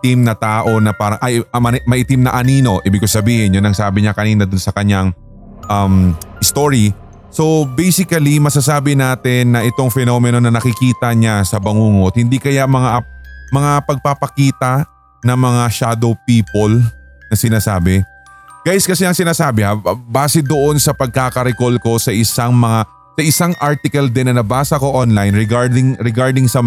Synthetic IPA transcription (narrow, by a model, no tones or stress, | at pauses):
t̪imnɐt̪aːʔo̞nɐpaːɾɐŋʔɐjmɐmɐʔɪt̪imnɐʔɐniːno̞ʔiːbɪɡkossɐbiːhɪnjʊnɐŋsaːbɪɲakɐniːnɐd̪ʊnsɐkɐɲaŋ | ʔɐmʔɪst̪oɹi | so̞bɛjsɪkɐlimɐsasaːbɪnaːt̪ɪnːɐʔɪt̪o̞ŋfɛnomɛno̞nɐnɐkɪkiːt̪ɐɲasɐbɐŋuːŋot̪̚hɪnd̪ikɐjamɐŋamɐŋapɐɡ̚papɐkiːt̪ɐ | nɐŋmɐŋaʃaːd̪owpiːpol | nɐsɪnaːsa̰ːbɛ | ɡ̥ajskɐsɛɐŋsɪnaːsaːbɪhabaːsɪd̪oʔo̞nsɐpɐɡ̚kaːkɐɾɪkolko̞sɐʔɪsaŋmɐŋa | sɐʔɪsaŋʔaɹt̪ɪkɐld̪ɛnːɐnɐbaːsɐko̞ʔonlajnɾɛɡaɹd̪ɪŋɾɛɡaɹd̪ɪŋsɐ